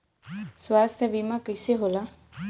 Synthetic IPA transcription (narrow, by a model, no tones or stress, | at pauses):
swaːst̪ʰəbimakəseɦola